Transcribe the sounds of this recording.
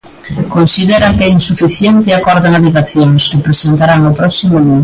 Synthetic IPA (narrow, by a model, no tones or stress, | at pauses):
konsiðɛɾaŋkɛinsufiθjent̪ɪakɔɾðanaβeɣaθjoŋskɪpɾesent̪aɾaŋnʊpɾɔsimʊlu